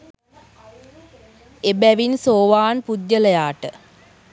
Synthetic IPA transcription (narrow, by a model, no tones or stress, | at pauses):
ebæʋinsoːʋaːnpud̪jələjaːʈə